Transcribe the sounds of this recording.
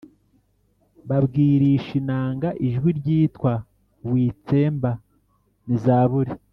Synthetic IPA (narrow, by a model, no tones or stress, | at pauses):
βabɡiːɾiʃinaːŋɡaʔiʒɡwiɾɟiːtkwa | wiːt͡se̞ːmba | nizaːβuɾi